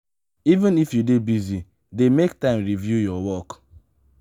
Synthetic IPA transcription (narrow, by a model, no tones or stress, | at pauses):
ivɛ̃nifjudebizi | demek̚tãɪ̃mɾivjujɔwɔk